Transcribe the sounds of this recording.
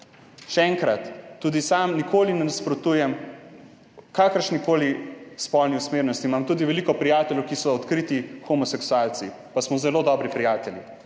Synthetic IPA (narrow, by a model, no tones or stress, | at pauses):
ʃɛɛŋkɾat̪ːuːd̪isamnikʰoːlinɛnaspɾɔt̪ujɛm | kakəɾʃnikoːlispɔlniusmeːɾnɔst̪iːmamt̪uːd̪iʋɛlikɔpɾijaːt̪ɛljɛwkisɔːt̪kɾit̪ixɔmɔsɛksualt̪si | pasmɔzɛlod̪ɔbɾipɾijaːt̪ɛlji